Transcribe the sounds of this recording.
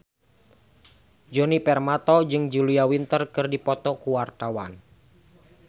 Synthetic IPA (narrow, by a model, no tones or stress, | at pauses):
d͡ʒɔnipɛrmat̪ɔd͡ʒɨŋd͡ʒuliawint̪ərkɨrdipɔt̪ɔkuwart̪awan